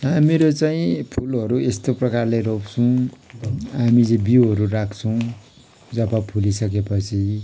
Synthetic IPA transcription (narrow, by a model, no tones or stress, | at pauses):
ameɾot͡saĩpʰulʌɾuest̪oprʌkarlejropt͡sʰũ | ɦamid͡zẽbiuɦʌɾurakʰt͡sʰʌw̃ | d͡zʌpapʰulisʌkepʌt͡sʰi